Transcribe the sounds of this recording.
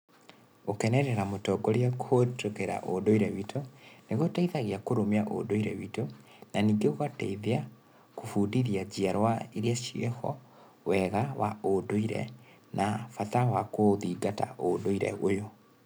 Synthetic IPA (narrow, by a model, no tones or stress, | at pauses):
okɛnɛɾɛɾamotɔɡɔɾeakʰotokeɾa̰ʔo̰doiɾɛwitʰoneɣotaiðaɣiakoɾomeaʔo̰doiɾɛwito | naniːɡeoɣatɛ̰iðea | kofuːdiɾiad͡ʑiaɾwaeɾiaʃiɛhɔ̰ | wɛɣawaodoiɾɛ̰ | nʔafatawakoðiɡata̰ʔodoiɾɛ̰ojo